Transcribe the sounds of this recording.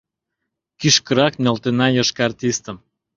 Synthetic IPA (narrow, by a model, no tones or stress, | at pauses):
kyʃkə̆ɾɑknʲolˠt̪enɑjɤʃkɑrt̪ʲist̪ə̆m